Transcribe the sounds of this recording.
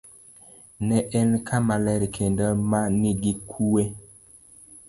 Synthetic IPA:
nɛʔɛnkʰamalɛɾkʰendɔmaniɡikʰuwe

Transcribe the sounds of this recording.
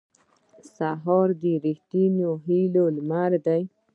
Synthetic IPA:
saɦɔɾd̪iɾiht̪imjoɦilolmaɾd̪aj

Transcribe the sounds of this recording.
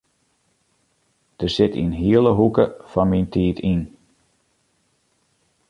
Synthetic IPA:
d̥ərsɪtḭnɦiələɦukəfɔnmintʰiːtʰin

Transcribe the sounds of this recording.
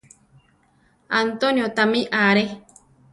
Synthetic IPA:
ant̪onjot̪amĩʔaɾe

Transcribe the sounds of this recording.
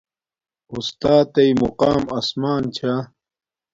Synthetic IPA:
ust̪aːt̪ɐjmuqaːmɐsmaːnt͡ɕʰa

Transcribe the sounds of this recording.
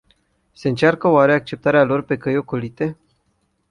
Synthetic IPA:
se̞ɨnt͡ʃarkəoaɾe̞ak̚t͡ʃe̞p̚t̪aɾealo̞rpe̞kəjo̞kolit̪e̞

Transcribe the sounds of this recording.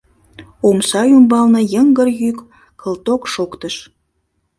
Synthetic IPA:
omsɑjumbɑlnə̆jəŋɡərjykːʰ | əlt̪okʃokt̪əʃ

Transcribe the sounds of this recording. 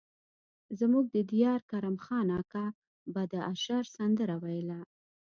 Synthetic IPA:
zmuɡ̚d̪əd̪ijɑɾkaɾamxɑnɑkɑ | bad̪əaʃɑɾsand̪əɾawajəla

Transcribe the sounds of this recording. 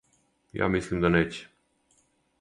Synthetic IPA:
ja̰mislimd̪anet͡ʃe̥

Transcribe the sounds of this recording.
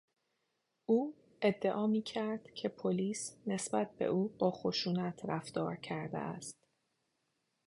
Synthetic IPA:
uː | e̞d̪ːe̞ʔɒːmiːcʰæɾd̪̥cʰe̞pʰoliːsne̞sbæt̪̚be̞̰ʔuːb̥ɒːxo̞ʃuːnæt̪ʰɾæfd̪ɒːɾcʰæɾd̪ḛʔæ̰st̪

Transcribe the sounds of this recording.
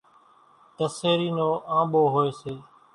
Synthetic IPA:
t̪əseːɾiːnoːʔãːɓoːɦoːeːseː

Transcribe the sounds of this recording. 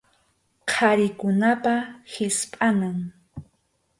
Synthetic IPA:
qʰaɾɪkʊnapahɪspʼanaŋ

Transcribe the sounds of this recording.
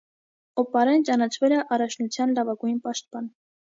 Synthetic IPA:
ɔpɑɾɛnt͡ʃɑnɑt͡ʃʰvɛlɛʔɑrɑt͡ʃʰnut͡sʰjɑnlɑvɑɡujinpɑʃt̪̚pɑn

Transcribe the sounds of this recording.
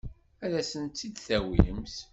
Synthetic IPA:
æðæsənt̪ːid̪θæwḭəmθ

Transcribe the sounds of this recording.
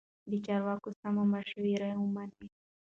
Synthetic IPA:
d̪ət͡ʃɑɾwɑkosamamaʃwiɾajwəmani

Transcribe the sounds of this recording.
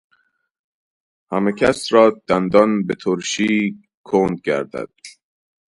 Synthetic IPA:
hæmecʰæsɾɒːd̪̥ænd̪ɒnbet̪ʰoɾʃiː | kʰoːnd̪̚ɟæ̰ɾd̪æ̰d̪̥̚

